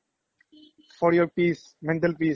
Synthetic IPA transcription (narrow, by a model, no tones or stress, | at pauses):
fɔːɾjoɾpiːs | mɛ̃ɳʈəlpiː